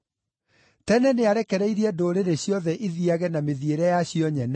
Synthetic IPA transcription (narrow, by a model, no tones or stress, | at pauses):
tɛnɛneaɾɛkɛɾɛiɾiɛdoɾeɾeɕjɔðɛʔiðiaɣɛnameðieɾɛjaɕijɔɲɛnɛ